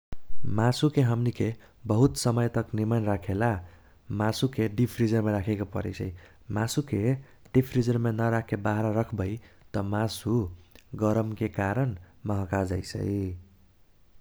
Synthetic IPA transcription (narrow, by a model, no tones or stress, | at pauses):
masukeɦʌmnikʰe | bʌɦut̪sʌmʌjt̪ʌknimanrakʰela | masukeɖipʰrid͡zʌrmaɾakʰekopʌ̰ɾḛjsʰʌi | masukʰe | ɖ̥ipʰrid͡zʌrmenʌɾakʰebaɦɾaɾʌkʰbʌjt̪ʌmasuɡʌɾʌmkekaɾʌnmʌɦʌkad͡zʌjsʰʌ̰j